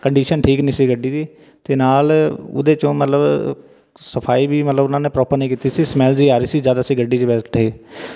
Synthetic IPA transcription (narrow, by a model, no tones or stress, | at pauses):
kəɳɖiːʃənʈʰiːknĩːsiːɡəɖːiːd̪iː | t̪eːnaːlʊ̰d̪eːt͡ʃõːmət̪ləb | səpʰaːiːbiːmət̪ləbʊnãːneːpɾɔːpəɾnəĩːkiːt̪iːsiːsmɛːld͡ʒiːaːɾiːsiːzjaːd̪aːsĩːɡəɖːiːt͡ʃəbɛːsʈeː